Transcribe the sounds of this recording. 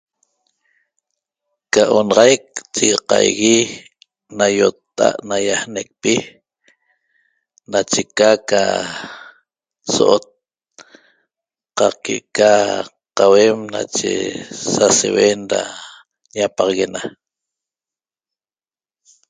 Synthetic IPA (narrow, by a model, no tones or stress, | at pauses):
kaʔonɑʁɑjk̚t͡ʃiɣɑqɑjɣi | najot̪ːa̰ʔnajahnek̚pi | nat͡ʃekaka̰ | soʔot̪̚ | qɑkeʔka | qawemna̰t͡ʃḛsasḛwenɾa̰ | ɲapɑʁɑɣena